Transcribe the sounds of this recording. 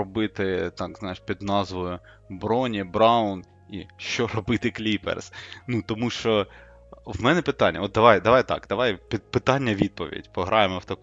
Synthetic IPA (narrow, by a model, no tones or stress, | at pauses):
ɔbɪt̪ɪt̪ɑkznɑjeʃpʲid̪nɑzʋɔjʊ | bɾɔnʲibɾɑʊn | ḭʃt͡ʃɔɾɔbɪt̪ɪklʲipḛrsnut̪ɔmuʃt͡ʃɔ | wmɛnɛpɪt̪ɑnʲːɐ̰ɔt̪̚d̪ɐʋɑjd̪ɐʋɑjt̪ɑ̰kd̪̥ɐʋɑjpʲipɪt̪ɑnʲːɐʋʲid̪̚pɔʋʲḭdʲpɔɦɾʔɑjemɔwt̪ɐk